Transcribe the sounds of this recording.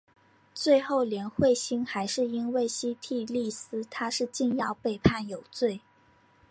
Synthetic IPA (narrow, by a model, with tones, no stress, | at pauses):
t͡swe˥˧ɪxo˥˩ʊljɛ˧˥nxwe˥˩ɪɕi˥nxa˧˥ɪʂɻ̩˥˩˧i˥nwe˥˩ɪɕi˥t̪ʰi˥˧li˥˩sɹ̩˥t̪ʰa˥ʂɻ̩˥˧t͡ɕi˥˧njɑ˥˧ʊpe˥˧ɪpʰa˥˩njo˨˩ʊt͡swe˥˩ɪ